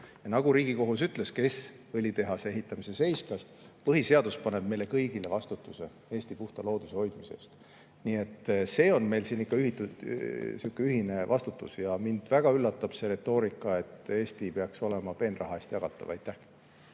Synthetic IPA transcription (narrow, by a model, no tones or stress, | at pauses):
jɑnɑɡ̥uɾiːɡ̥iko̞ɦusyt̪ˑleske̞s | vɤlʲit̪e̞ɦɑsee̞ɦit̪ˑːɑmise̞se̞jsk̪ɑs | pɤɦise̞ɑd̪̥uspɑne̞b̥mejle̞kɤjɡile̞vɑst̪ut̪ːˑuse̞ | e̞ːst̪ipuht̪ɑlo̞ːd̪̥useho̞jd̪̥mise̞̰st̪ | nie̞t̪ːse̞ːo̞nme̞jlsiːnikːɑyhit̪ːusukːˑeyɦine̞vɑst̪ut̪ːˑusjɑmind̪̥væɡ̥ɑylːɑt̪ːˑɑb̥se̞ɾe̞t̪ːo̞ːɾikːˑɑe̞t̪ːˑe̞ːst̪ipeɑkso̞le̞mɑpe̞ːnrɑ̰ɦɑeːsʲt̪jɑɡ̥ɑt̪ːˑɑ̰vɑjt̪ːˑæh